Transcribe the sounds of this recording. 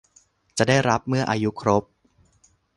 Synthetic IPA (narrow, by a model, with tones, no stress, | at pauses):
t͡ɕa˨˩ʔdaː˥˩jɾa˦˥p̚mɯ˥˩ɐʔaː˧ju˦˥kʰɾo˦˥p̚